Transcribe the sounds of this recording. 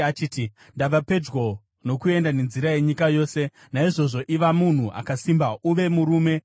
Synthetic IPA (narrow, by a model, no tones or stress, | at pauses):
at͡ʃiːti | ndaʋape̞d͡ʒwo̞ | no̞kue̞ndane̞nziɾaje̞ɲikajo̞ːse̞ | naiʐo̞ʐo̞ʔiʋamun̤uʔa̰kasimbauʋe̞muɾuːme̞